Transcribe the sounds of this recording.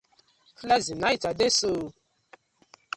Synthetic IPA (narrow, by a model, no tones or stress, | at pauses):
klazinait͡sadeso